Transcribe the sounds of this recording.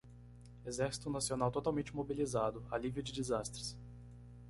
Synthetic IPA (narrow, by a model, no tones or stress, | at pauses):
ezɛɾsi̥t̪ʊnasionawt̪ot̪awmẽnt͡ʃɪmobilizad̪ʊaliviʊd͡ʒɪd͡ʒizast̪ɾɪs